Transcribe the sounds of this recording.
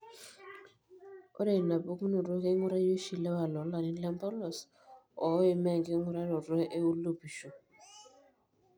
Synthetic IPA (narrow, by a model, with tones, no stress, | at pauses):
ɔ̰˦ɾe˨na˨bo˦ku˦no˨ɾɔ˦ke˦ŋu˦ɾa˦jo˦ʃi˨lɛ˦wa˨lɔ˨˦la˨ni˨˦lɛ˦mpɔ˦lɔ˨s | ɔ˨˦e˨mɛ˦˨ŋɡe˦ŋu˦ɾa˦nɔ˨ɾwɔ˦ʔe˦u˦lu˦bi˨ʃo˨